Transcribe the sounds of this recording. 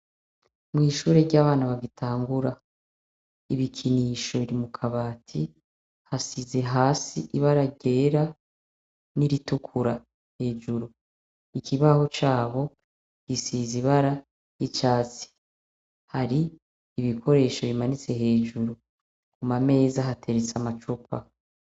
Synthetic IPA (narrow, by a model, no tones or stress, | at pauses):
mŋiːʃuːɾeɾɟaːβaːnaβaɡitʰaːŋɡuɾa | iβikʰiniːʃo̞βiɾimukʰaβaːtʰi | hasize̞ɦaːsiʔiβaɾaɟe̞ːɾa | niɾitukʰuɾa | he̞ːd͡ʒuɾu | ikiβaho̞t͡ʃaːβo̞ | ɡ̥isiziβaɾa | it͡ʃaːt͡si̥ | haɾiː | βikʰo̞ɾe̞ːʃo̞βimanit͡se̞he̞ːd͡ʒuɾu | kumame̞ːzaɦatʰe̞ɾet͡samat͡ʃup̚a̰